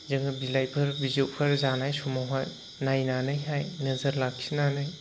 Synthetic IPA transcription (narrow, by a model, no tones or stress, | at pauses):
zɯŋɯbilajpʰɯɾbizowpʰaɾzanajsɔmaɦaj | najnanɯjɦajnəzəɾlak̚sʰinanɯj